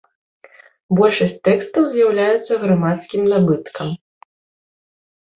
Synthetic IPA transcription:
bɔlʲʂɐsʲt͡s̚ʲt̪ɛkst̪ɐwzʲjawlʲajut̪sːɐɣɾamat̪skʲimnabɨt̪kɐm

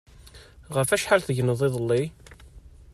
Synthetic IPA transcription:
ʁəfæʃħalθəʝənəðˤɪðˤəlːi

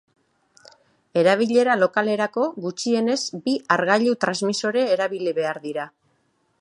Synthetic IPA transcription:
e̞ɾaβ̞iʎe̞ɾalo̞kale̞ɾako̞ɣut͡ʃie̞ne̞zbiaɾɣaʎut̪ɾazmiso̞ɾeːɾaβiliβe̞aɾðiɾa

